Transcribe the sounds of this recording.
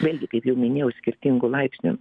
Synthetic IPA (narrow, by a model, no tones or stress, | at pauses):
ʋʲeːlʲɡʲɪkɐɪpjɛʊmʲɪnʲeːjɛʊsʲkʲɪɾʲt̪ʲiŋɡʊlˠɐɪpʲsʲnʲʊ̰